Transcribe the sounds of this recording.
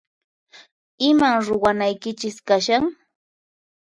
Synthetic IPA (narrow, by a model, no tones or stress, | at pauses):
ɪmaŋɾʊwanajkɪt͡ʃɪskaʃaŋ